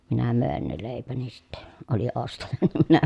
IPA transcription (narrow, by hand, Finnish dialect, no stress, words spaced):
minæ møˑen ne leˑipæni sitːe oli ostɑjɑ nim minæ